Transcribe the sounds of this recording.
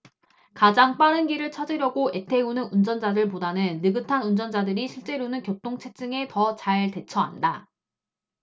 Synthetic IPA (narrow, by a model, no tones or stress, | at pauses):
kad͡ʑaŋp͈aɾɯnɡiɾɯɭt͡ɕʰad͡ʑiɾjʌɡoe̞tʰe̞unɯnund͡ʑʌnd͡ʑadɯɭp̬odanɯnːɯɡɯtʰanund͡ʑʌnd͡ʑadɯɾiɕʰiɭt͡ɕ͈e̞ɾonɯnkjʌp̚t͈oŋt͡ɕʰet͡ɕ͈ɯŋe̞tʌt͡ɕaɭte̞t͡ɕʰʌɦa̰nda